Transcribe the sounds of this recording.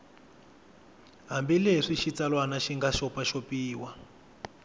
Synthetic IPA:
ɦambileʂiʃit͡salwanaʃiŋɡaʃɔpaʃopiːwa

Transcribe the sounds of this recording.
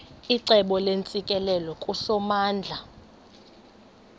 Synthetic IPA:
iǀɛɓɔlent͡sʼikʼɛlɛlɔkʼusɔmaːnd͡ɮʱa

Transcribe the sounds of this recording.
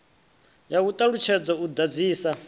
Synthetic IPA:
jaut̪ʼaɺut͡ʃʰɛd͡zaud̪ad͡ziːsa

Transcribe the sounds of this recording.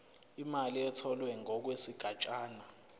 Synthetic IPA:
imalijɛtʰɔlwɛŋɔk̬wesiɡ̥ʱat͡ʃʼaːna

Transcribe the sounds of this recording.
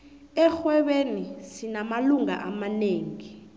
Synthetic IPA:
ɛxwɛɓenisinamaluŋa̰ʔamaneːŋi

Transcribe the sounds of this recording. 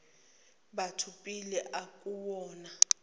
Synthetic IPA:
ɓatʰupʼilɛʔakʼuwɔːna

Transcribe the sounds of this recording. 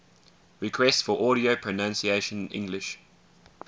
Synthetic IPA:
ɹɪkʰwɛstsfɔʔɔɾiəpʰɹənãnsieɪʃə̃nʔɪ̰̃ŋɡlɪʃ

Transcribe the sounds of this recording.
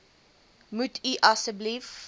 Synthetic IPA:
mutʰiʔasəblif

